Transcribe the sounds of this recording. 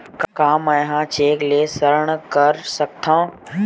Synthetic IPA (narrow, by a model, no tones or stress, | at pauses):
kkaːmãjɦãt͡ʃeːkleːsəɾəɳ̃kəɾsək̚t̪ʰãː